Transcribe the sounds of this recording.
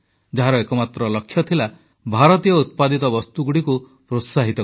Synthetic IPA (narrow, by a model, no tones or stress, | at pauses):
d͡ʒaɦaɾɔekɔmat̪ɾɔlɔkʰːjɔt̪ʰila | bʱaɾɔt̪ijɔut̪̚pad̪it̪ɔbɔst̪uɡuɽiku | pɾot̪saɦit̪ɔ